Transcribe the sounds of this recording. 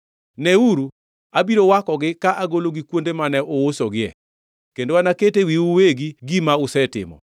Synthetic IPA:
nɛuɾu | abiɾowakɔɡɪkaʔaɡoloɡikwondemanɛʔowosoɡɪɛ̰ | kendowanaketewiuweɡiɡimaʊsɛtɪ̰mɔ̰

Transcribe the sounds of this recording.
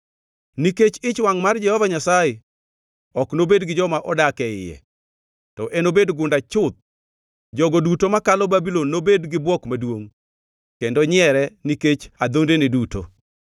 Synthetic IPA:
niket͡ʃɪt͡ʃwaŋmard͡ʒɛhɔvaɲasajɛ | ɔknobedɡɪd͡ʒɔmaʔɔdakɛɪ̰jɛ̰ | tɔʔɛnobedɡʊndat͡ʃʊt̪̚ | d͡ʒɔɡodutomakalɔbabilɔnːobedɡɪbwɔkmadwoŋ | kendɔɲɪɛɾɛniket͡ʃad̪ondeniduto̰

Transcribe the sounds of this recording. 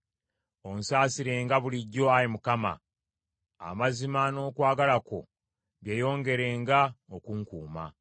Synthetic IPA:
o̞nsaːsiɾe̞ːŋɡaβuliɟːo̞ajimukama̰ː | mazimano̞ːkwaːɡalako̞̰ | βjeːjo̞ːŋɡe̞ɾe̞ːŋɡaokuŋkṵːma̰

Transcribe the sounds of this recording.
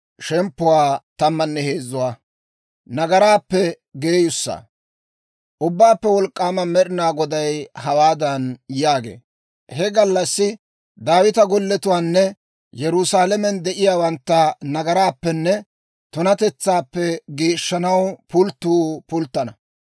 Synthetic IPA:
ʃɛmpːʊwaːt̪ɐmːɐnːɛheːzʊwaː | nɐɡɐɾaːpːɛ | ɡeːjʊsːa̰ | ʔʊbːaːpːɛwɔlkʼːaːmɐmɛɗɪnaːɡɔd̪ɐjhɐwaːd̪ɐnjaːɡḛː | hɛɡɐlːɐsːɪ | d̪aːwɪt̪ɐɡɔlːɛt̪ʊwaːnːɛ | jɛɾʊsaːlɛmɛnd̪ɛʔɪjaːwɐnt̪ːɐnɐɡɐɾaːpːɛnːɛ | t̪ʊnɐt̪ɛt͡sːaːpːɛɡiːʃːɐnɐwpʊlt̪ːuːpʊlt̪ːɐnɐ

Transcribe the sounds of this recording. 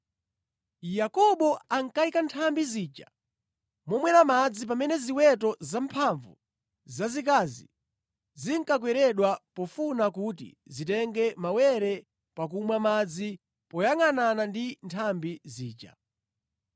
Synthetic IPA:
jakɔɓɔaŋ̩kaikantʰambiziːt͡ʃa | mɔmwɛɾamad͡zip̬amɛnɛziwɛt̬ɔzampʰaɱvu | zazik̬azi | ziŋkak̬wɛɾɛɗwapɔfunak̬utḭzitɛŋɡɛmawɛɾɛ | pak̬umwamad͡zi | pɔjaŋananandintʰambiziːt͡ʃa̰

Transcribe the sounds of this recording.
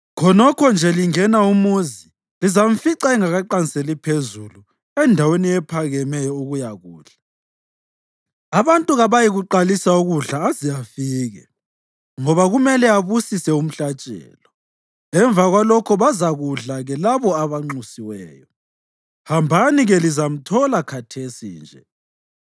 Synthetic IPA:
kʰɔnɔkʰɔnd͡ʒʱɛliŋɛnaumuzi | lizam̩fiǀaiŋaɣaǃaniselipʰezulu | ɛndʱaweniɛpʰaɣɛmɛjɔuɣujaɣuːɮ̥a | aβantʼuɣaβajiɣuǃalisauɣuɮaːzijafiːɣɛ̰ | ŋɔβaɣumɛlɛaβusisɛum̩ɬat͡ʃʼɛ̰ːlɔ | ɛɱvaɣwalɔkʰɔβazaɣuɮaɣɛlaβɔaβaŋ͡ǃusiwɛːjɔ | hambʱaniɣɛlizam̩tʰɔlakʰatʰesḭːnd͡ʒʱɛ̰

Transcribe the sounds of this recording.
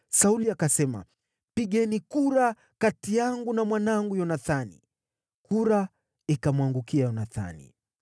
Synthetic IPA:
sauliakasɛma̰ | piɠɛnikuɾa | katijaŋɡunamwanaŋɡujɔnaθanḭ | kuɾa | ikamwaŋɡukiajɔnaθa̰nḭ

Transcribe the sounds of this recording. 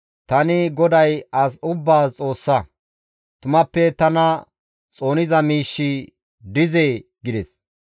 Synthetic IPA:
t̪ɐnɪɡɔd̪ɐjɐs̬ʊbːaːt͡sʼo̞ːsːɐ | t̪ʊmɐpːɛt̪ɐnɐ | t͡sʼo̞ːnɪzɐmiːʃːɪ | d̪ɪzeː | ɡɪd̪ɛs

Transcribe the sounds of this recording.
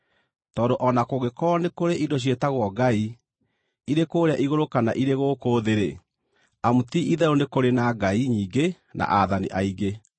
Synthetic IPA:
tɔːdoʔɔnakoɣekɔnekoɾeʔidoɕ̬ietaɣwɔɡai | iɾekoːɾeaʔiɣoɾokanaʔiɾeɣoːkoðeɾe | amutiʔiðɛɾonekoɾenaɡaiɲiːɡe | nʔa̰ʔaðanḭʔaiɡe

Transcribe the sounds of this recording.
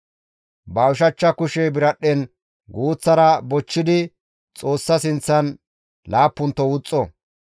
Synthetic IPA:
bawʃɐt͡ʃːɐkʊʃɛbɪɾɐɗːɛn | ɡuːt͡sːɐɾɐbɔt͡ʃːɪd̪ɪ | t͡sʼo̞ːsːɐsɪnt͡sːɐn | laːpːʊnt̪ːɔwʊt͡sʼːɔ

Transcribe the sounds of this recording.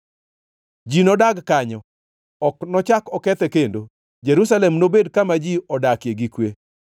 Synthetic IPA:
d͡ʒinɔdaɡkaɲɔ | ɔknɔt͡ʃakɔkɛt̪ɛkendo | d͡ʒɛɾus̬alɛmnobedkamad͡ʒiɔdakjeɡikwe

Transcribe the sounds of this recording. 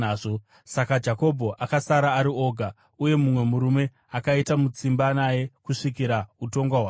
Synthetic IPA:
aːʐo | sakad͡ʒako̞bʱo̞ʔakasaɾaːɾio̞ɡʱa | uje̞mumwe̞muɾume̞ | akaitamut͡simbanaje̞kuʂikiɾauto̞ŋɡwaɦwaː

